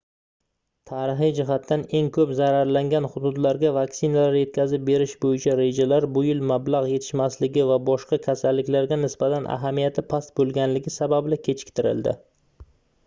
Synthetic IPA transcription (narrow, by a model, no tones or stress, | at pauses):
t̪ʰaɾɪɦijd͡ʒɪɦat̪ʰːane̞ŋkʰɵpzaɾaɾlaŋɡʲanχʊd̪ʊd̪laɾɡʲavaksɪnalaɾje̞t̪̚kʲazɪp̚be̞ɾɪʃbojɪt͡ʃʰaɾe̞d͡ʒalaɾbʊjɪlmablˠaʁje̞t̪ʰɪ̥ʃmaslɪɡʲɪvabɒʃqɑkʲʰasalːɪkʲlaɾɡʲanɪsbat̪ʰanʔa̰ɦamijat̪ʰɪpʰast̪bolˠɡʲanlɪɡʲɪsabablɪkʲʰe̞t͡ʃʰɪ̥kʲt̪ʰɪɾɪ̰ld̪ɪ̰